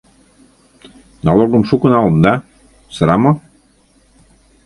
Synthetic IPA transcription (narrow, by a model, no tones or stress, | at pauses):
nɑlˠoɡɤ̆mʃukɤ̆nɑlɤ̆nd̪ɑ | sɤ̆ɾɑmɤ̆